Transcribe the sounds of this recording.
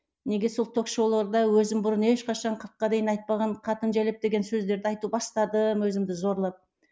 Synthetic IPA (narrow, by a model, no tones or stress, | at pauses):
ne̞ɡʲe̞so̞lˠt̪ʰo̞kʃowlˠɑɾd̪ɑwɵzɪmbʊɾəne̞ʃqɑʃɑɴqʰəɾqːɑd̪e̞jɪnɑjt̪̚pɑʁɑɴqʰɑt̪ənʒælep̚d̪e̞ɡʲe̞nsɵzd̪e̞ɾd̪ɪɑjt̪ubɑst̪ɑd̪əmwɵzɪmd̪ɪzo̞ɾlˠɑp̚